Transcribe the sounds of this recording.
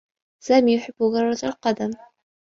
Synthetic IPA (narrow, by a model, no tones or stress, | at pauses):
saːmiːjʊħɪb̥ːʊɣarˤːazalqɑd̪am